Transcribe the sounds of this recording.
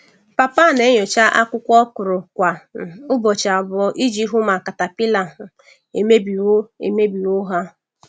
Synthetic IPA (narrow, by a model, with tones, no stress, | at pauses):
pa˨pa˦˨ne˦ɲo˨t͡ʃa˦ʔa˦kʷʊ˦kʷɔ˦kʊ˨ɾʊ˨kʷa˨ʊ˦bɔ˨t͡ʃa˨bɔ˨ʔi˦d͡ʒi˦ɦʊ˦ma˨ka˨ta˨pi˦la˨ɦʊ˨ | e˨me˦bi˨˦ḛ˨me˦bi˨ʊ˦ɦa˦